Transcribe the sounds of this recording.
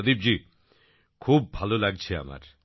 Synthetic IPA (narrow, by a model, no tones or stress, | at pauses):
d̪ib̚d͡ʑi | kʰubːʱalolaɡ̚t͡ɕʰea̰ma̰ɾ